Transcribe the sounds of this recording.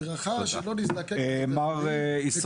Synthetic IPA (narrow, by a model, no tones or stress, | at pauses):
ʁaχaʃeloniznakemaʁis